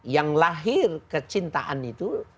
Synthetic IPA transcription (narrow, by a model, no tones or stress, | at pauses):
jaŋlaɦɪrkət͡ʃint̪aʔa̰nit̪u